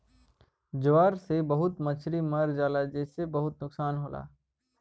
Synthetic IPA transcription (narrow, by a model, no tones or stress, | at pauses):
d͡ʒʊʋaːɾsebɐɦʊt̪mɐt͡ʃʰɾimɐɾd͡ʒaːlad͡ʒeːsebɐɦʊt̪nʊksaːnɦoːla̰ː